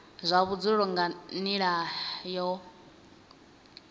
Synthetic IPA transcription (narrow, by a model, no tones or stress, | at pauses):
zʷaβud͡ziɺɔŋɡaniɺajɔ